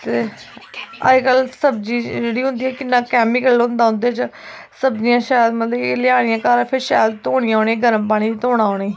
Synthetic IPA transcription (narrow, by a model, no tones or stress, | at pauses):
t̪eː | ə̰ekəlsəbd͡ʒiːd͡ʒeːɽiːɦʊ̃nd̪iːɛːkɪnːãːkɛːmɪkəlʊ̃nd̪aːɦʊ̃nd̪eːt͡ʃ | səbd͡ʒɪjãːʃaːjd̪mət̪ləlɪaːɽ̃ɪjãːkaːɾapʰɪɾʃaːjd̪̚t̪oːɽ̃ijãːoːneːɡəɾəmpaːɽ̃iːt̪oːɽaːoːɽeː